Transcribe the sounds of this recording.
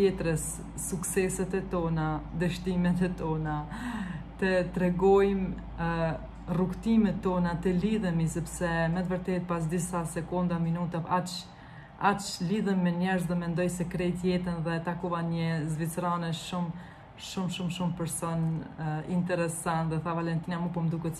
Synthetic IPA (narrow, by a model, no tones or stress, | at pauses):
t̪jɛt̪ɾəsː | uksɛsɛt̪ɛt̪ɔnad̪əʃt̪imɛt̪ɛt̪ɔna | t̪ət̪ɾɛɡɔjm | rukt̪imɛt̪ːɔnat̪ɛliðəmisɛpsɛmɛt̪vəɾt̪ɛt̪̚pas̬d̪isasɛkund̪aminut̪aat͡ʃ | at͡ʃliðɛmːɛɲɛɾzðɛmɛnd̪ɔjsɛkɾɛt̪jɛt̪ənðɛt̪akuvanɲəzvit͡sɾanɛʃʃum | ʃumʃumʃumpɛɾsɔnḭnt̪ɛɾɛsant̪ðɛθavalɛnt̪inamupɔmd̪ukɛt̪